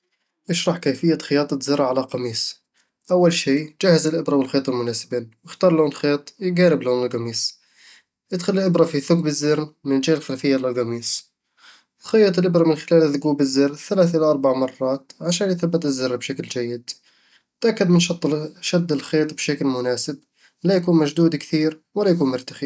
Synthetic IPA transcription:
ʔɪʃɾˤɑħkæfɪjːaxɪjɑːt̪ˤɑzɪɾˤʕalaqɑmiːs | ʔawːalʃiːd͡ʒahːzɪlʔɪbɾˤɑbɪlxeːt̪ˤɪlmʊnaːsɪbiːnwɪxt̪ɑːɾˤloːnxeːt̪ˤjɡaːɾɪbloːnɪlɣɑmiːs | jɪd̪xʊllʔɪbɾˤɑfiθʊkbɪzːɪɾnmɪnd͡ʒaːɪlxalfɪjːalɪlɣɑmiːs | lxɑjːɑt̪ˤɪlʔɪbɾɑmɪnxɪlaːlɪðʊɡuːbɪzːɪrθːalaːθʔɪlaʔɑɾˤbaʕmɑrˤːɑːt̪ʕaʃaːnjθabːɪt̪ɪzːɪɾːbʃakld͡ʒajːɪd̪ | ɪt̪ʔakːad̪mɪnʃɑt̪ˤːʃad̪ːɪlxeːt̪ˤbʃaklmʊnaːsɪb̚ | lajakuːnmaʒd̪uːd̪kθiːɾwalajkuːnmʊɾt̪axi

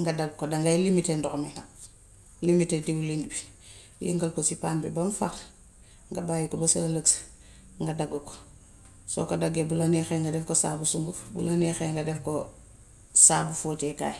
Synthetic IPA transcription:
ŋɡadaɡkodaŋɡajlimitendɔxmina | limitediwulindbi | lḭŋɡɐlkosipaːnbɛbɐmfa̰ɾ | ŋɡabaːjikɔbɐsɐlləks | ŋɡadaɡuko̥ | sɔ̰kadaɡebulanɛxɛŋɡadɛfkosaːbusuŋɡufbṵlanɛxɛŋɡɐdɛfko | saːbufoːt͡ʃɛka̰ːj

